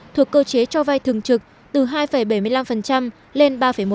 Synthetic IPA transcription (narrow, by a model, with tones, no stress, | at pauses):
t̪ʰu˨˩əkːəː˧t͡ɕe˨˦t͡ɕɔ˧va˧jt̪ʰɨ˨˩əŋt͡ɕɨ˨˩k̚ | t̪ɨ˨˩ɦaː˧jfə˧˩jɓə˧˩jmɨ˧əjla˧mfə˨˩nt͡ɕa˧m | le˧nɓaː˧fə˧˩jmo˨˦